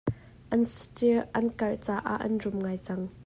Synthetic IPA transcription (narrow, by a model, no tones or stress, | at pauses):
ʔɐnstiʔɐnkɐrt͡saːʔa̰ʔɐ̰nrʊmŋaːjt͡sɐŋ